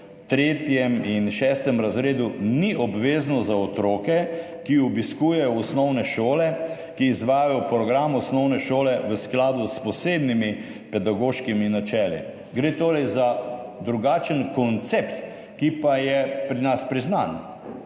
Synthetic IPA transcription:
t̪ɾeːt̪jɛminʃɛːst̪ɛmɾazɾeːd̪uniʔɔbʋeːznɔzaɔt̪ɾoːkɛ | kiɔbiskuːjɛjɔɔsnɔwnɛʃoːlɛ | kiːzʋaːjajɔpɾɔɡɾamɔsnɔwnɛʃoːlɛʋəsklaːd̪uspɔseːbnimi | pɛd̪aɡoːʃkiminat͡ʃɛːlḭ | ɡɾeːt̪oːɾɛjzad̪ɾuɡaːt͡ʃənkɔnt̪sept̪ | kipajɛpɾinaspɾiznan

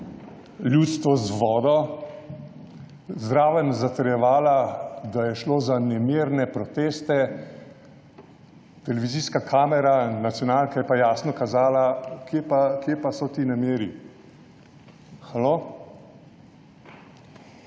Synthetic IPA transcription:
ljuːt̪st̪ʋɔzʋɔːd̪ɔ | zd̪ɾaːʋənzat̪ɐɾjɛʋaːlad̪ajɛʃloːzanɛmeːɾnɛpɾɔt̪eːst̪ɛ | t̪ɛlɛʋiziːskakʰaːmɛɾanat̪sjɔnaːlkajɛpajaːsnɔkazaːlakʰepakeːpasɔt̪iːnameːɾi | xalo

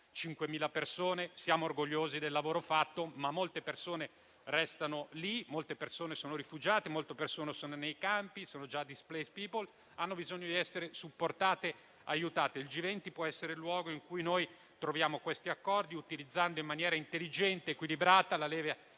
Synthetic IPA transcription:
t͡ʃiŋkwemiːlapersoːnesjaːmoːrɡoʎːoːzid̪elːavoːɾofat̪ːomamːolt̪epersoːne | rɛst̪anolimolt̪epersoːnesoːnoɾifud͡ʒaːt̪emolt̪epersoːnesoːnonejkampisoːnod͡ʒad̪isplɛjspiːpol | anːobizoɲːod̪iɛsːeɾesupːort̪aːt̪e | ajːut̪aːt̪eild͡ʒivɛnt̪ipwɔɛsːeɾelwɔːɡoiŋkujnoj | t̪ɾovjaːmokwest̪iakːɔrd̪iut̪ilid̪zːand̪oimːanjɛːɾaint̪elːid͡ʒɛnt̪eːkwilibɾaːt̪alalɛːvea

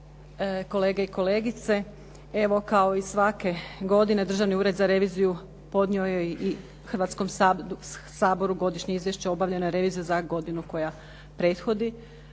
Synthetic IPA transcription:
ko̞le̞ːɡeiko̞le̞ːɡit̪se | e̞ʋo̞kao̞isʋake̞ɡo̞d̪ine̞d̪ɾr̩ʒaʋniuːɾed̪zaɾe̞ʋiːziju | po̞d̪nio̞jeʔi | xrʋaːt̪skom | saːbo̞ɾuɡo̞d̪iʃɲeizʋjeʃt͡ɕeo̞baʋʎenojeɾe̞ʋiːzijuzaɡo̞d̪inuko̞ja | pɾe̞ːt̪xo̞d̪i

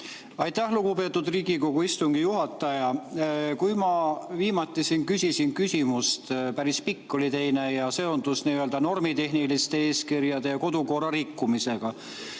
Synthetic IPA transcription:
ɑjt̪ːˑæhluɡupe̞ːt̪ːˑud̪riːɡiko̞ɡ̥uist̪uŋɡ̥ijuɦɑt̪ːˑɑjɑkujmɑviːmɑt̪ːˑisinkysʲisinkysʲimust̪pæɾispikːo̞lit̪e̞jne̞jɑse̞o̞nd̪̥usniːøld̪̥ɑno̞rmit̪e̞ɦnilist̪e̞e̞ːskirjɑd̪e̞jɑko̞d̪̥uko̞rɑɾikːumise̞ɡ̥ɑ

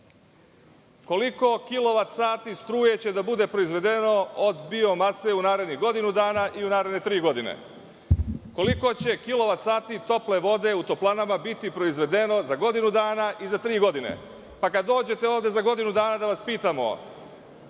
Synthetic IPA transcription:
ko̞liko̞kilo̞ʋat̪saːt̪ist̪ɾuːje̞t͡ɕe̞d̪abud̪e̞pɾo̞izʋe̞d̪eno̞od̪bio̞maseunaːɾe̞d̪niɣɡo̞d̪inud̪aːnaʔiunaːɾed̪net̪ɾiːɡo̞d̪inḛ | ko̞liko̞t͡ɕe̞kilo̞ʋat̪saːt̪it̪o̞ple̞ʋo̞d̪e̞ut̪o̞plˠanamabit̪ipɾo̞izʋe̞d̪e̞no̞zaɡo̞d̪inud̪aːnaʔizat̪ɾiːɡo̞d̪inḛ | pakad̪ːo̞ːd͡ʑe̞t̪e̞oːʋd̪e̞zaɡo̞d̪inud̪aːnad̪aʋaspiːt̪amo̞̰

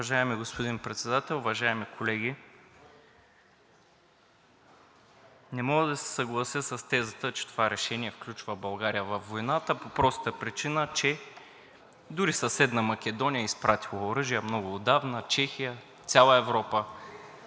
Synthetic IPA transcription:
vɐʒaɛmiɡospoʊd̪inpɾɛt̪sɛd̪at̪ɛlˠʊvɐʒaɛmikʰolɛɡʲi | nɛmɔɡəd̪ɐsɛ̥sɐɡlˠɐsjəsɐst̪ɛzət̪ət͡ʃɛ̥t̪o̥vaɾɛʃɛniɛfklʲut͡ʃvəbɐlˠɡaɾijəvɐfːojnat̪əpopɾɔst̪əpɾit͡ʃinət͡ʃɛ | d̪ʊɾisɐsɛd̪nəmɐkʲɛd̪ɔnijəispɾat̪ilˠəoɾɤʒijəmnɔɡʊːd̪avnət͡ʃɛxijə | t̪sʲalˠəɛvɾɔpə

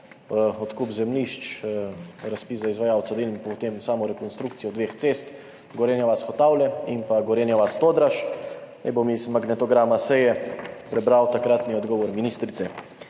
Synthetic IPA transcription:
ɔt̪kupzɛmliʃt͡ʃ | ɾaspiːszaizʋajaːwt̪sad̪elmipɔt̪emsaːmɔɾɛkɔnst̪ɾukt̪sijɔd̪ʋeːxt̪seːst̪ | ɡɔɾenjaʋasxɔt̪aːwlɛimpaɡɔɾeːnjaʋast̪oːd̪ɾaʃnɛjbomizmaɡnɛt̪ɔɡɾaːmasɛjɛpɾɛbɾawt̪akɾat̪niɔd̪ɡɔːʋɔɾminiːst̪ɾit̪sɛ

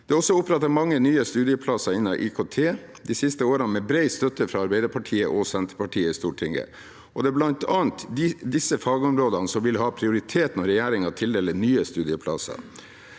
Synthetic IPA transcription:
d̪̥ɛːɔsːɔʊpːɾɛt̪ːɑmɑŋːənyːəst̪ʉːd̪ɪəpʰlɑsɑɪnːɑʔiːkʰot̪ʰeː | d̪isɪst̪əoːɾənmɛbɾɛɪst̪œt̪əfɾɑɑɾbæɪd̪əɾpʰɑʈʰiːəʔɔsɛnt̪əpɑʈʰiːəɪst̪uːʈʰɪŋə̰ | ʔɔd̪ɛæblɑnt̪ʰɑːnt̪d̪ɪsːəfɑːɡəɔmɾoːd̪ənəsɔmʋɪlɦɑːpʰɾɪʊɾɪt̪ʰeːt̪n̩ɔɾɛjæːɾɪŋɑt̪ʰɪld̪ɛlənyːəst̪ʉːd̪ɪəpʰlɑ̰sɑ̰

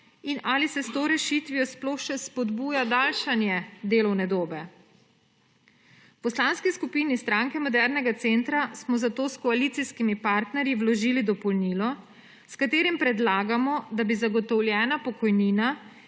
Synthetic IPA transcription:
inaːlisɛst̪oːɾɛʃit̪ʋiɔsplɔxʃɛspɔd̪buːjad̪aːlʃanjɛd̪eːlɔwnɛd̪oːbɛ | pɔslanskiskupiːnist̪ɾaŋkɛmɔd̪ɛɾnɛɡat̪sent̪ɾasmɔzat̪oːskɔalit̪siskimipaɾt̪nɛɾjiwlɔʒiːlid̪ɔpɔlniːlɔ | skat̪eːɾimpɾɛd̪laːɡamɔd̪abizaɡɔt̪ɔwljɛːnapɔkɔjniːna

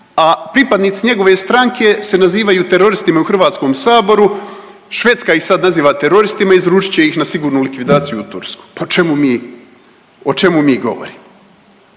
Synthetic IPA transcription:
apɾipad̪niːt̪siɲe̞ɡo̞ʋe̞st̪ɾaŋkʰe̞se̞naziːʋajuːt̪e̞ɾo̞ɾist̪imauxr̩ʋaːt̪sko̞msaːbo̞ɾu | ʃʋe̞t̪skaixsad̪naziːʋat̪e̞ɾo̞ɾist̪imaizɾuːt͡ʃi̥t͡ɕe̞ixnasiɡuːɾnulikʋid̪aːt̪sijuːt̪ṵɾsku̥pat͡ʃemumiː | ot͡ʃe̞mumiːɡo̞̰ʋo̰ɾiːmo

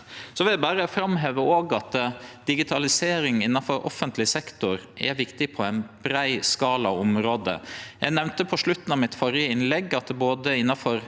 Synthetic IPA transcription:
sɔʋɪld̪æbæːɾəfɾɑmɦeːʋəoːɡɑt̪d̪̥ɪɡɪt̪ʰɑlɪseːɾɪŋɪnːɑfɔɾʔɔ̰fːənt̪ʰlɪsɛkt̪ʊɾʔɛ̰ʋɪkt̪ɪpʰɔæɪnb̥ɾæɪskɑːlɑɔmɾoːd̪ə̰jæɪnɛʋnt̪əpʰɔʂɭʉt̪ːn̩ɑʋmɪt̪fɔɾjəɪnlɛɡːɑt̪̚d̪ɛboːd̪əɪnːɑfɔɾ

